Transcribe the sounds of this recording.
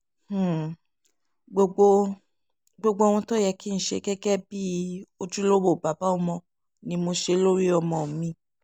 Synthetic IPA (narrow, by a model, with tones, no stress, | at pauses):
h̩˨ | ɡ͡bo˧ɡ͡bo˧ | ɡ͡bo˧ɡ͡bo˧o˧w̃ɔ̃˧tɔ˦˨jɛ˧ki˦ñ̩˦˨˦ʃḛ˧kɛ˦ɡɛ˦bi˦o˧d͡ʒu˦lo˦wo˦˨ba˨ba˦ɔ˧mɔ̃˧ | nĩ˧mo˧ʃe˧˦lo˦ɾi˦ɔ˧mɔ̃˨mĩ˧